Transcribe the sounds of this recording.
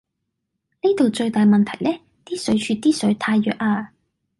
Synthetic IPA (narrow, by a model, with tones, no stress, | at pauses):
ni˥t̪o˨wt͡ʃɵ˧ɥt̪aː˨jmɐ˨nt̪ʰɐ˨˩jlɛː˥ | t̪iː˥sɵ˨˥ɥt͡ʃʰyː˧t̪iː˥sɵ˨˥ɥt̪ʰaː˧jːœː˨k̚ʔaː˧